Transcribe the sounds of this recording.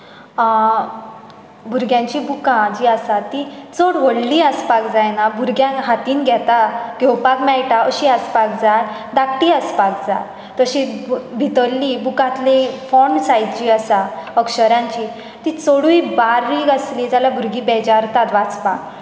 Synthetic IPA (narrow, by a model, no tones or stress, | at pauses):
bʱuɾɡjãɲt͡ɕibukãd͡ʑiːəsat̪it͡sɔɽʋəɽliəspakd͡zajnabʱuɾɡjãnɦat̪iːnɡʱɛt̪aɡʱewpakmɛɭʈaəɕiaspak̚d͡zat̪ | d̪akʈiəspak̚d͡za̰ | t̪əɕibʱit̪əlːibukãt̪lefɔɳsajd̪t͡ɕiːəsaəkɕəɾjãɲt͡ɕi | t̪it͡soɽuibaɾːiːɡasliːd͡zalabʱuɾɡiːbɛd͡ʑaɾt̪at̪ʋat͡spak